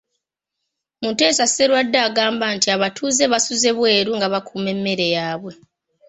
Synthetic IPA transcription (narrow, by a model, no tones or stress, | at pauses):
mute̞ːsase̞ɾwadːaːɡaːmbantiaβatʰuːze̞βasuze̞βwe̞ːɾuŋɡaβakʰuːme̞mːe̞ɾe̞jaːβwe̞